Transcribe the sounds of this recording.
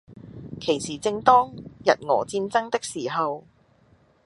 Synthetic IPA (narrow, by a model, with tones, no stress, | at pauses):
kʰe˨˩jsiː˨˩t͡sɪ˧ŋt̪ɔː˥ŋjɐ̰˨t̚ŋɔ̰ː˨t͡siː˧nt͡sɐ˥ŋt̪ɪ˥k̚siː˨˩ɦɐ˨w